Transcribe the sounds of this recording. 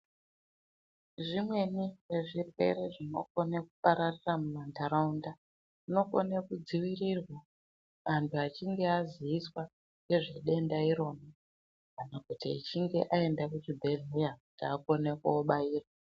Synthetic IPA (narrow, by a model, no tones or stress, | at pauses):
ʐimwe̞niʐeʐirwe̞̰ɾe̞ʐino̞̰ko̞neku̥paɾariramumantaɾaunda | ino̞ko̰nekud͡ziwirirwa | antʰuat͡ʃiŋɡe̞aziːswa | ŋe̞ʐeɗe̞ndaiɾo̞ːna | anakutḭːt͡ʃiŋɡe̞ʔae̞ndakut͡ʃibʱe̞ɮejakutiako̞nekuoɓaiːrwa